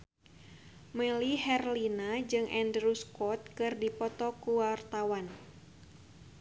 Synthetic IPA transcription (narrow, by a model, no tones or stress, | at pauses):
məlihɛrlinad͡ʒɨŋʔɛndɾuskɔt̪̚kɨrdipɔt̪ɔkuwart̪awan